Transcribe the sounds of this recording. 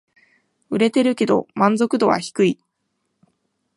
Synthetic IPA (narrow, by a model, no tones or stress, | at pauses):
ɯ̟ɾe̞t̪e̞ɾɯ̟ke̞d̪o̞̰mãnzo̞kɯ̟d̪o̞βa̰çi̥kɯ̟i